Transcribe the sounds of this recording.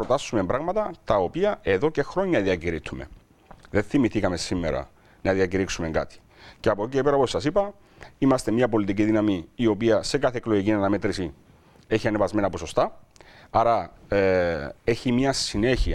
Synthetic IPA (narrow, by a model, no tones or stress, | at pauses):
pɾot̪ɐsːumembɾɐɣmɐt̪ɐt̪ɐo̞piɐʔe̞ðo̞ce̞xɾo̞ɲːɐðiɐciɾit̪ʰume̞̰ | ðe̞nθimiθikɐme̞simːḛɾɐ̰ | nɐðiɐciɾiksume̞ŋɡɐ̰t̪i̥ | ceɐpocepeɾɐposɐsipɐ | imɐst̪e̞mɲɐpo̞lit̪iciðinɐmiːo̞piɐse̞kɐθekloʝicinɐnɐmet̪ɾisi | e̞çiɐnevɐzme̞nɐposo̞st̪ɐɐɾɐ | e̞çimɲɐsine̞çiɐ